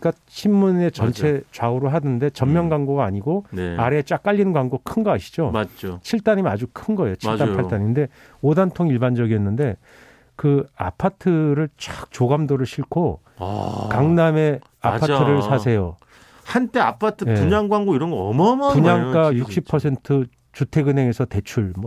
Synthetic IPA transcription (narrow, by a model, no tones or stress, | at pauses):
k͈a | t͡ɕʰinmune̞t͡ɕʌnt͡ɕʰe̞t͡ɕwaoɾoɦadɯnde̞t͡ɕʌmmjʌnɡwaŋɡoɡaːɲiɡonaɾe̞t͡ɕ͈ak͈aʎːinɯnɡwaŋɡokʰɯnɡʌaɕʰi̥d͡ʑomad͡ʑt͡ɕʰiɭt͈aɲimad͡ʑukʰɯnɡʌe̞jot͡ɕʰt͈apʰaɭt͈aɲimnde̞ | odantʰoŋiɭband͡ʑʌɡiʌnːɯnde̞ | kɯa̰pʰatʰɯɾɯɭt͡ɕ͈ak̚t͡ɕoɡamdoɾɯɭɕʰiɭkʰo̰ | kaŋname̞ | apʰatʰːɯɾɯɭsʰasʰe̞jo | hant͈e̞apʰatʰɯjeuɲaŋɡwaŋɡoiɾʌnɡʌʌmʌmpuɲaŋk͈ajuk̚ɕ͈ʰippʰʌsʰe̞ntʰɯ | t͡ɕutʰe̞ɡɯnɦe̞ŋe̞sʰʌte̞t͡ɕʰuɭmʌ